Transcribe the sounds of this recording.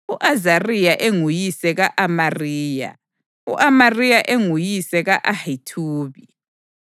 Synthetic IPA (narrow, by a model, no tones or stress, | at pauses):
uʔazarijaʔeŋujisɛɣaʔamariːja̰ | ṵʔamarijaʔeŋujisɛɣaʔahitʰuːβi